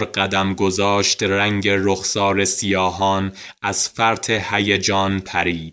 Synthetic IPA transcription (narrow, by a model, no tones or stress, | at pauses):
ɾɢæd̪æmɡozɒːʃt̪ræŋɟeɾoxsɒːɾesijɒːɦɒːn | ʔæz̥fæɾt̪ʰehæjed͡ʒɒːnpʰæɾiːd̪̥